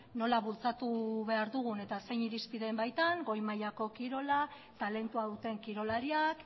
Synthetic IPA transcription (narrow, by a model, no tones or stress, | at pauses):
no̞laβult͡sat̪uβe̞aɾðuɣ̞une̞t̪ase̞jɲiɾispiðe̞mbajt̪aŋɡo̞jmajako̞kiɾo̞la | t̪ale̞nt̪uaðut̪e̞ŋkiɾo̞laɾiak